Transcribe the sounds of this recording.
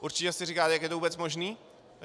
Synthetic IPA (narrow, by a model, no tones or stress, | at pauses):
ʔuɾt͡ʃɪcɛsɪrɪkaːt̪jakjɛt̪ouːbɛt͡smo̞ʒniː